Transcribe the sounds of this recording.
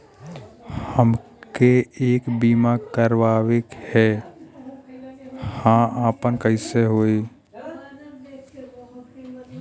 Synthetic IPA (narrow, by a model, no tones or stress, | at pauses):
həm | keeːkbiːmakəɾwaːwekhɛ | hãaːpənkəɪseɦoe